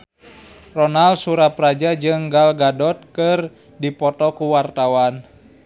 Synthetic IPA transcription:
rɔnalsuɾaprad͡ʒad͡ʒɨŋɡalɡadɔt̪̚kɨr | dipɔt̪ɔkuwart̪awan

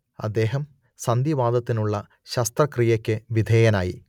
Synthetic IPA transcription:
ɐ̰d̪ːe̞ːɦɐm | sɐnd̪jiʋaːd̪ɐt̪ːinuɭːɐ | ɕɐst̪rɐkrijɐkʲːɨʋid̪ʱeːjɐnaːjḭ

